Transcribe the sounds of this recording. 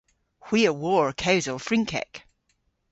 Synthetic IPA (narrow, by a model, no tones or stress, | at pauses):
hw̥iəwɔɹkʰawzəlˠfɹĩŋkʰɛ̰k